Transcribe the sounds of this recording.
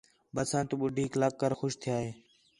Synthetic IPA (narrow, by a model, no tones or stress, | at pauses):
bəsãːnt̪uːɓʊɖʱiːklak̚kːəɾxʊʃt̪ʰɪjaːɦeː